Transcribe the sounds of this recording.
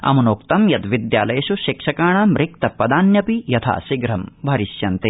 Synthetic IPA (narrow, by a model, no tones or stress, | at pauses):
ɐ̰munoːk̚t̪ɐmjɐt̪ʋid̪jaːlɐjɐʃuʃikʂɐkaːɳɐmɾik̚t̪ɐpːɐd̪aːnjɐpijɐt̪ʰa̰ːʃiɡɾɐmbʱɐɾiʃjɐnt̪e